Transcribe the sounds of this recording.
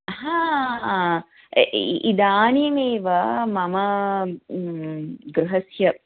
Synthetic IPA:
hãː | ʔid̪aːnjɐmeːʋɐmɐmɐ | ɡɾuɦɐsjɐ

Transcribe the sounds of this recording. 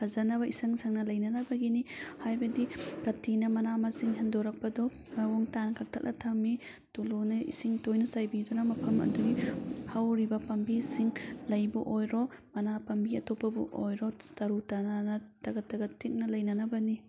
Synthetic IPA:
hʰazanɐbɐisɐŋsaŋnɐlɐjnɐnɐbɐɡinihajbɐdikɐtʰinɐmɐnamɐsiŋɦendɔɾɐk̚pɐdɔ | mawɔŋtankʰak̚tʰak̚nʔɐtʰɐmi | tulunɐḭsiŋtojnɐsajbidɔnɐmɐpʰɐmɐ̰duɡipʰawɾibɐpɐmbisiŋlɐjbuʔojɾɔmɐnapɐmbiɐtopːɐbṵʔojɾɔtɐɾutananɐtɐɡɐtːɐɡɐtʰːik̚nɐlɐjnɐnɐbɐni

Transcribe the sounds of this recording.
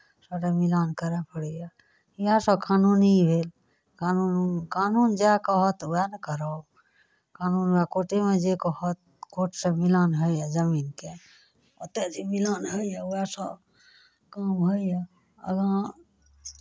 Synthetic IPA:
səɖamilankəɾɛpəɽɛja | ijasə̃kʰanunibʱel | kanunkanund͡ʒakəɦɔt̪uankəɾə | kanunakoʈemed͡ʒekəɦət̪̚ | koʈsə̃milanɦəjad͡ʒəminke | ə̰t̪ɛd͡ʒimilanɦəjjauasə̃ | kamɦəija | ə̰ɡã

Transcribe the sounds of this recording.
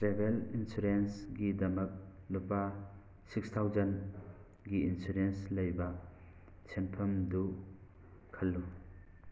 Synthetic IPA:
tɾebelinsuɾensɡidɐmɐk̚nupa | sikst̪ʰawzɐn | ɡiinsuɾenslɐjba | senpʰɐmdu | kʰɐlːu

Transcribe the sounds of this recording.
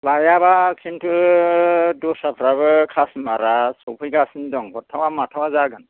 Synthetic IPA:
lajaβakʰintʰu | dosapʰɾabɯkʰasmaɾasopʰujɡasindɔŋkɔtʰawamatʰawazaɡən

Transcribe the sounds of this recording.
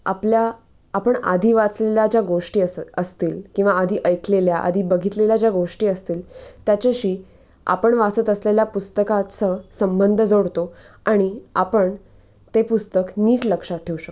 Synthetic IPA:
a̰pljaː | pəɳa̰d̪ʱiːʋat͡sleljad͡ʑjaɡoʂʈiːəəst̪iːlkĩw̃ʋaːd̪ʱiːʔəjkʰleljaʔa̰d̪ʱiːbəɡʱit̪leljad͡ʑjaɡoʂʈiːəst̪iːlt̪jat͡ɕeɕiː | a̰pəɳʋasət̪əsleljapust̪əkat͡səsəmbənd̪ʱəd͡zoɽt̪o | aɽ̃iapəɳ | t̪epust̪əkniːʈləkʂat̚ʈʰeuɕək̪

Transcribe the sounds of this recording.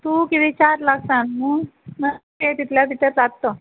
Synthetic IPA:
t̪ukiʋit͡ɕaɾlaksanmunəket̪it̪ljab̪it̪əɾt͡sad̪t̪o

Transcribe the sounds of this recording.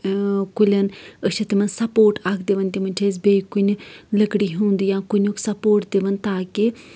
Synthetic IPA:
kʊlʲɐnəʃet̪imɐnsɐpoːʈaːkʰd̪eʋənt̪imɐnt͡ʃʰeːzbeːikʊnləkɽiːɦũːnd̪iːjãːkʊnʲukʰsɐpoːʈd̪eʋənt̪aːki

